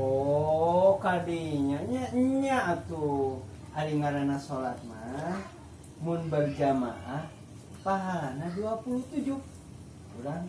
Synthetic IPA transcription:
o | kadiɲaɲaɲaːt̪u | haɾiŋaɾanasolat̪̚ma | mʊnbərd͡ʒama | paɦalanaduapuluht̪ud͡ʒu | uɾaŋ

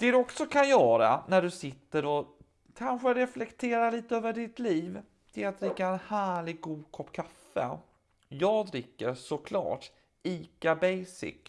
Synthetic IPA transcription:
d̪̥ɛd̪ɵɔksɔkʰanjœːɾa̰næɖɵsɪt̪ːəɾɔ | kʰanɧəɾɛflɛkt̪ʰeːɾaliːt̪əøːvəɖɪt̪liːv | t̪ʰɪlat̪̚d̪ɾɪkːaɛnhæːɭɪɡːuːd̪kʰɔpːkʰafːə̰ | jɑːɡd̪ɾɪkːəɾʂɔkʰlɑ̰ːʈ | iːkabɛjsɪ̰k

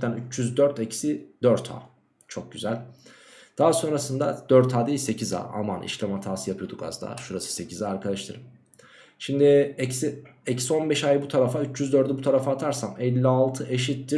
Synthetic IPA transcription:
t̪ænyt͡ʃjyzd̪øɾt̪ʰɛcsid̪øɾt̪ʰa̰ː | t͡ʃʰo̞k̚ɟyzælʲ | d̪̥aɦaso̞nɾasɯnd̪ad̪̥øɾt̪ʰaːd̪ajse̞cʰiza̰ːa̰manʔḭʃlʲamat̪ʰaːsɯjapʰɯjod̪uɡa̰zd̪a̰ːʃuɾasɯ̥se̞cʰizaːɾkʰad̪aʃt̪ʰɯɾɯm | ʃimd̪ɪɛcsiɛcso̞nbɛʃajɯbut̪ʰaɾafayt͡ʃjyzd̪øɾt̪d̪ɛbut̪ʰaɾafaːt̪ʰaɾsamɛlʲːialˠt̪ʰɯʔeʃit̪ːi

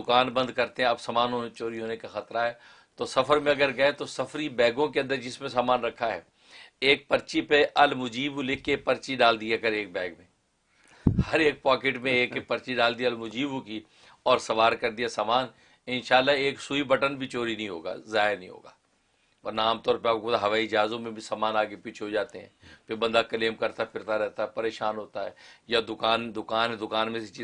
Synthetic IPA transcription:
d̪ʊkaːnbɐ̃nd̪kɐɾt̪ẽɦɛ̃ɐbsɐːmaːnɦot͡ʃoːɾiɦoːnekaxɐt̪ɾaɦɛː | t̪osɐfʰəɾmẽɐɡəɾɡɐet̪osɐfʰɾibɛːɡõkeɐ̃nd̪əɾd͡ʒɪsmẽs̬aːmaːnɾɐkʰːaɦɛ̰ː | eːk̚pɐɾt͡ʃipeʔɐlmʊd͡ʒiːbulɪkʰːepɐɾt͡ʃiɖaːld̪ijakɐɾeːk̚bɛːɡmẽː | hɐɾeːk̚paːkeʈmẽeːkepɐɾt͡ʃiɖaːld̪iaɐlmʊd͡ʒiːbuki | ɔːɾsɐʋaːɾkɐɾd̪ijasaːmaːn | ɪnʃaːlːaɦeːksuibɐʈənbʱit͡ʃoːɾinɐɦĩɦo̰ːɡa̰ːzaːɦɪɾnəɦĩɦo̰ːɡa̰ː | pɐɾnaːmt̪ɔːɾpeaːkod̪aɦɐʋaːid͡ʒaːzõmẽbʱisaːmaːnaːkepiːt͡ʃʰeɦod͡ʒaːt̪eɦɛ̰̃ːpʰɪɾbɐ̃nd̪akɐleːmkɐɾt̪aɛpʰɪɾt̪aɾɛɦt̪aɦɛpɐɾeːʃaːnɦoːt̪aɦɛ̰ːjad̪ʊkaːnd̪ʊkaːnɦɛ̃d̪ʊkaːnmẽset͡ʃi

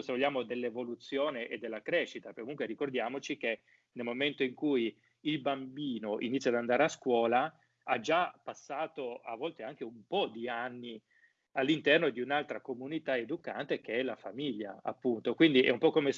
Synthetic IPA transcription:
sevoʎːaːmod̪elːevolut̪sːjoːneʔed̪ːelːakɾɛʃːit̪akːomuŋkweɾikord̪jaːmot͡ʃik̟e | nelmoment̪oiŋkuj | ilbambiːnoʔḭnit̪sːjad̪and̪aːɾeaskwɔːla | ad͡ʒapasːaːt̪oa̰vːɔlt̪eaŋk̟eumpɔd̪ianːi | alːint̪ɛrnod̪iunalt̪ɾakomunit̪aed̪uka̰nt̪ek̟eɛlafamiʎːa̰a̰pːunt̪okwind̪iʔɛ̰umpɔkːome

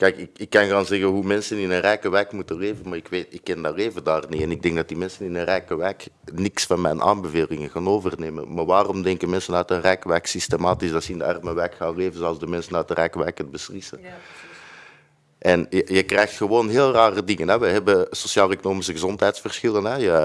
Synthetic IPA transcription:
kɛjkɪkɪkːɑnɣaːnzɛɣənɦumɛnsənɪnənrɛːkəʋɛkmutəleːvənmaːrɪkʋeːtɪkːɛndɑleːvədaːrniɛnɪɡ̚dɛŋɡdɑtdimɛnsənɪnənrɛːkəʋɛːk | nɪksfɑnmɛjnʔa̰ːnbəveːlɪŋəɣaːnoːvərneːmə̰nmaʋaːrɔmdɛŋkənmɛnsənœtənrɛkəʋɛksistemaːtisɑsɪndəɑrməʋɛːkxaːnleːvənzɛlˠzdəmɛnsənœt̚dərʔɛːkəʋɛːkətbəslɪsən | ʔɛnəjəkrɛjxtxəʋoːnɦeːlˠraːrədɪŋənɦɛʋəɦɛbəsosjaːlˠekonoːmisəɣəzɔntɦɛjtsfərsxɪlˠənɦɛjə

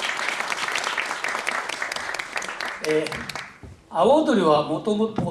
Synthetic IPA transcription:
e | aβot̪oɾʲiβamot̪omot̪o

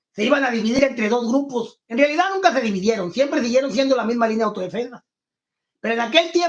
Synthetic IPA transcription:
se̞iβanaðiβiðiɾe̞nt̪ɾe̞ðo̞zɣɾuposenrealiðanũŋkase̞ðiβiðje̞ɾo̞nsje̞mpɾes̬iɣje̞ɾo̞ns̬je̞nd̪o̞lamizmalinjawt̪o̞ð̞efe̞nsas | pe̞ɾoenake̞lt̪je

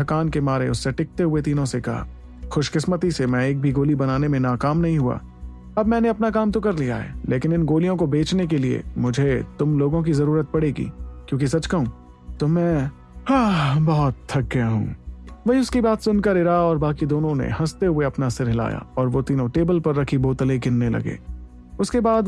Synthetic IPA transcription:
ɦʰɐkaːnkemaːɾeʊsːeʈɪk̚t̪eɦʊet̪̬iːnõsekɐ̰ɦa̰ | xʊʃkɪsmət̪isemɛ̃eːk̚bʱiɡoːlibɐnaːnemẽnaːkaːmnɐɦĩɦua̰ː | ɐbmɛ̃ːneɐpnakaːmt̪okɐɾlija̰ɦɛ̰ːlʔeːkɪnɪnɡoːlijõkobeːt͡ʃnek̬eliḛmʊd͡ʒʱet̪ʊmloːɡõk̬izɐɾuːɾət̪̚pɐɽeːɡḭːkjõːkis̬ɐt͡ʃkɐɦũː | t̪oːmɛ̃ː | ɦabɔːt̪ʰːɐɡ̚ːɐjaɦṵ̃ːʋɐɦiʊskibaːt̪sʊnkɐɾɪɾaɔːɾbaːkid̪oːnõnḛhɐst̪eɦʊeɐpnasɪɾɦɪla̰ːja̰ɔːɾʋot̪iːnõʈeːbəlpɐɾːɐkʰiboːt̪əleɡɪnːelɐ̰ɡḛː | ʊskebaːd̪

